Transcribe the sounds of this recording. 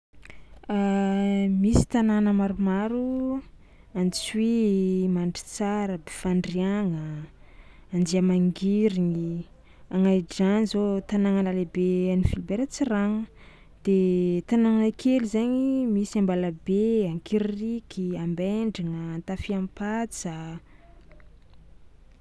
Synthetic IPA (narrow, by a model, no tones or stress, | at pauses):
a | misi̥t̪ananəmaɾumaɾu | ant͡swimaɳɖ͡ʐi̥t͡saɾəbefaɳɖ͡ʐiaŋəː | nd͡ʒiamaŋɡiɾiŋi | aŋajɖ͡ʐanizot̪anaŋanəlebeanifilibeɾət͡siraŋə | d̪̥et̪anaŋanakʰelizaɲimisiambalabeaŋkiɾirikʰiambeɳɖ͡ʐaŋəːnt̪afiampat͡sa